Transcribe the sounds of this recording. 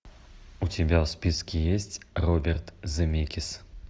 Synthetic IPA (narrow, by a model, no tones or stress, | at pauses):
ut͡sʲabʲawspʲiskʲijesʲt͡sʲrɔbʲɛrt̪zɨmʲekʲis